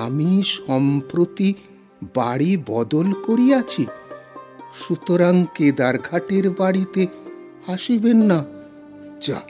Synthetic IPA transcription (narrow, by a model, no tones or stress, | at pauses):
amiʃɔmpɾot̪i | baɽibɔd̪olkoɾiat͡ɕʰi | ʃut̪oɾaŋked̪aɾɡʱaʈeɾbaɽit̪e | aʃibenːa | d͡ʑa̰